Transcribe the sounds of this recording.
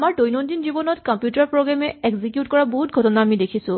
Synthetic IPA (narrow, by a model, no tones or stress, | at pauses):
amaɹdojnɔndinzibɔnɔtkɔmpjutaɹpɹoɡɹamɛeɡzikjutkɔɹaboɦutɡʱɔtɔnaːmidekʰisʊ̃